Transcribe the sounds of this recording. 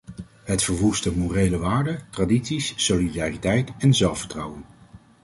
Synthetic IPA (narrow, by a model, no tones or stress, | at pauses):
ɦətfəɹʋustəmurejləʋaːɹdətraditsisːolidaːritɛjtɛnzɛlˠfəɹtrɑwən